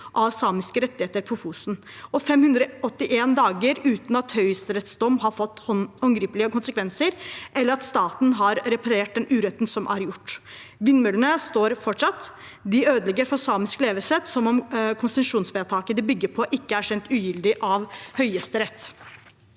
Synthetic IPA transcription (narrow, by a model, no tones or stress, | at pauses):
ʔɑʋsɑːmɪskəɾɛt̪ːɪheːt̪əɾpʰɔfuːsn | ɔfɛmhʉnd̪ɾəʔɔt̪ːɪʔeːnd̪ɑːɡəɾʉːt̪nɑt̪hœʏst̪əɾɛt̪sd̪ɔmːɦɑɾfɔt̪ːɔhɔŋɡɾiːplɪəkʊnsəkʰʋɛnsəɾʔɛlːəɾɑt̪st̪ɑːt̪nɦɑɾɾɛpʰɑɾeːʈ̚d̪ɛnʉːɾɛt̪ːn̩sɔmʔæɾjʊʈː | ʋɪnːmʉlənəst̪oːɾfɔʈʂɑt̪ː | d̪ɪøːd̪əlɛɡəɾfɔsɑːmɪskleːʋəsɛt̪sɔmɔmkʰʊnst̪ʉnʃʂuːnsʋeːt̪ʰɑːkəd̪ɪbʏɡːəɾpʰɔʔɪkːəæʂɛnt̪ʉːjʏld̪ɪʔɑʋhœʏjɛst̪əɾɛt̪ː